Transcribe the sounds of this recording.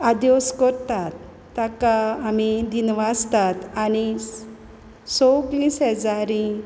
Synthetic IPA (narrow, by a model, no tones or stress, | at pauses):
ad̪joskɔɾt̪at̪ː | akaːmid̪inʋast̪at̪añi | sɔklisɦɛd͡zaɾĩ